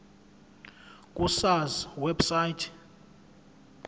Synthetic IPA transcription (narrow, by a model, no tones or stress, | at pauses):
kʼusazwɛbsajtʰ